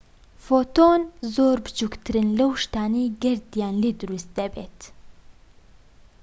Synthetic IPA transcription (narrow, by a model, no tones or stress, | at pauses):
fot̪oːnzoːɾbt͡ʃukt̪ɾɨnləwʃt̪aːniɡəɾd̪jaːnlid̪uɾust̪̚d̪ɐbet̪